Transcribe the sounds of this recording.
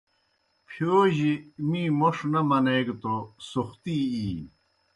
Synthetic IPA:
pʰoːʑimiːmoʂnɐmɐneːɡt̪osoxt̪iiː

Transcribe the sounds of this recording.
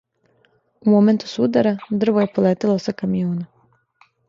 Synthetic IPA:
umome̞nt̪u̥sud̪aɾad̪r̩ʋoje̞poleːt̪elˠosakamijoːna

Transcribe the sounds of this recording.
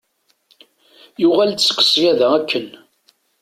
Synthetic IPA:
juʁælsə̥kːə̥sjæðæækːən

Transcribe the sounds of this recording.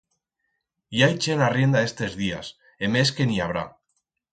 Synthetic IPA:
jajt͡ʃenarje̞nd̪aest̪ezðias | eme̞ske̞niaβ̞ɾa̰

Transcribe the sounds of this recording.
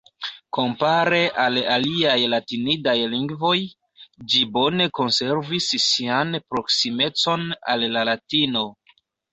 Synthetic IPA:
ko̞mpaɾe̞ʔalaliajlatinidajliŋɡvo̞j | d͡ʒibo̞ne̞ko̞nse̞ɾvissianpɾo̞ksime̞t͡so̞na̰lːalatino̞

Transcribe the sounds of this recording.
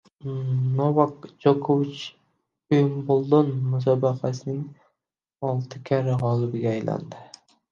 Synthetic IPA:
novakd͡ʒokʰovɪt͡ʃ | ʊjmbolˠd̪onmʊs̬ɑbaqasɪnɪŋ | ɒlˠt̪ʰɪkʲʰaɾɪʁɒlˠɪbɪɡʲaːjlʔa̰nd̪ɪ

